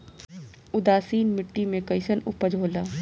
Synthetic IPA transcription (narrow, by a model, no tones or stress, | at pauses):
ʊd̪aːsiːnmɪʈːimẽkɐɪsənʊpəd͡ʒʱɦoːlaː